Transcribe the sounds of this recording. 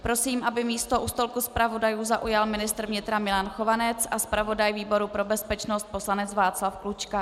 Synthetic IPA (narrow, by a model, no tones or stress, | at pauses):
pɾo̞siːmʔabɪmiːst̪o̞ʔust̪o̞lkuspɾavo̞dajuːzaʔujalmɪnɪst̪ɾvɲɪt̪ɾamɪlanxo̞vanɛt͡sʔaspɾavo̞dajviːbo̞ɾupɾo̞bɛspɛt͡ʃnost̪̚po̞slanɛt͡svaːt͡slafklut͡ʃka